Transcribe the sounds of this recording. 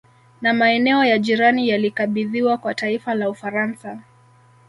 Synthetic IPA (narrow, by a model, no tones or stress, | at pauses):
namaɛnɛɔjaʄiɾanijalikaɓiðiwakwataifalaufaɾansa